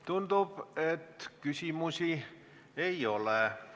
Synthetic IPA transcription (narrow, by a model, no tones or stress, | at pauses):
t̪und̪ub̥et̪ːkysʲimusi | ejo̞le